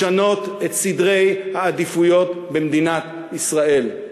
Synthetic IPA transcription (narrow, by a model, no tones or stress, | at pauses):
ano̞t̪et̪sid̪ʁe̞jhaːd̪ifujo̞t̪bemd̪inat̪ | isʁae̞l